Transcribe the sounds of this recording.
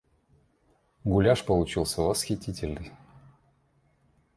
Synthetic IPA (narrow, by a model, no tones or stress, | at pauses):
ɡʊlʲaʂpəlˠʊt͡ɕilˠsʲəvəsxʲɪtʲitʲɪlʲnɨj